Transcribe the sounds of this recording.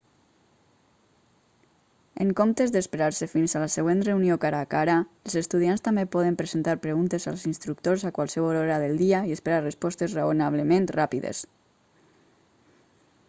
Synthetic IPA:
eŋkomt̪ezd̪espeɾaɾsefinzalaseɣwenreunijokaɾakaɾaəlˠzest̪uð̞ianst̪ambepɔð̞empɾezent̪aɾpɾeɣunt̪eza̰lˠzinst̪ɾukt̪oɾzakwalˠsəβ̞ɔɔɾaðəlˠd̪iaiespeɾarəspɔst̪ezreonaβ̞ləment̪rapiðḛs

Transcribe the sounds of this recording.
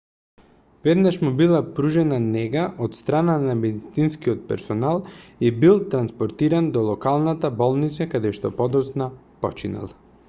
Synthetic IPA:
vɛd̪naʃmubilˠapɾuʒɛnanɛɡaʔot̪st̪ɾananamɛd̪it̪sinskiɔt̪̚pɛ̰ɾsɔnalˠibilˠt̪ɾanspɔɾt̪iɾand̪ɔlˠɔkalˠnat̪abɔlˠnit̪sakad̪ɛʃt̪ɔpɔd̪ɔsna | pɔt͡ʃina̰lˠ

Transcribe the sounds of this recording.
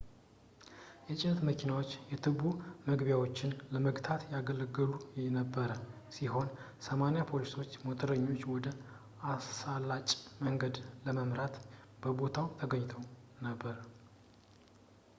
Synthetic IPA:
jɛt͡ʃʼɪnt̪məkʰinawot͡ʃːjɛt̪ʰɨβuməɡβjawo̞t͡ʃːɪnləməɡt̪ʰat̪jaɡələɡɨlujɛnəbːəɾə | siɦo̞n | səmanjapʰo̞liso̞t͡ʃːmot̪ʰʼəɾəɲːo̞t͡ʃːwɔd̪ə | asalːat͡ʃʼməŋɡəd̪ləməmɾat̪b̥əbo̞t̪ʰawt̪ʰəɡəɲːɪt̪ʰəwnəbːəɾ

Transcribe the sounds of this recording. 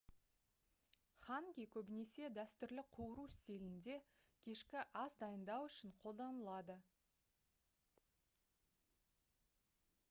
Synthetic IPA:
χɑŋɡʲijkʲʰɵbɪne̞se̞d̪æst̪ʏɾlɪqʰuwəɾust̪e̞lɪnd̪e̞kʲʰe̞ʃkʲɪʔɑzd̪ɑjənd̪ɑwʏʃɪɴqʰo̞lˠd̪ɑnəlˠɑd̪ə

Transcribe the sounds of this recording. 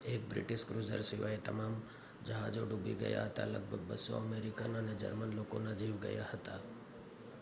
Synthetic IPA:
eːk̚bɾɪ̰ʈɪʃkɾuːzə̰ɾsɪʋaːet̪ɐmaːm | d͡ʒɐɦaːd͡ʒoɖubḭɡɐ̰ja̰ɦɐt̪a̰lɐ̰ɡ̚bʱəɡ̚bəsːo̰ɐmeːɾɪkananed͡ʒə̰ɾmənloːkõnad͡ʒiːʋɡɐ̰jahɐt̪a

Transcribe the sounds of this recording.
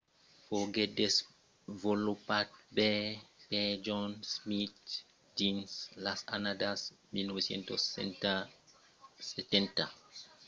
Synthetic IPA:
foɡedes | volupat̪̚bɛped͡ʒɔnsmit̪ | dinslasanad̪asmilnɔbesjḛnt̪os | set̪ɛnt̪a

